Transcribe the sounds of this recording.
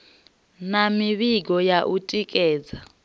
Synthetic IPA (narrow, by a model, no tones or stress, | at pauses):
namiɓiɡɔjaʔutʼikʼɛːd͡za